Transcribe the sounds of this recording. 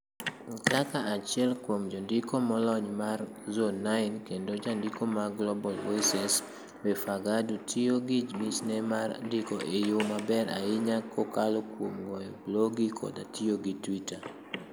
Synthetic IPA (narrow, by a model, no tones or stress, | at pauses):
kakaat͡ʃɪɛlkwomd͡ʒɔndɪkomɔlɔɲmar | zonːaɪnkendod͡ʒandikomaɡlɔbɔlwesɛs | wɛfaɡadutʰioɡid͡ʒmisnɛmaɾdɪkoʔejʊmabɛɾa̰ɪɲakʰokalokwomɡɔjɔbloɡikʰɔ̰datioɡitwita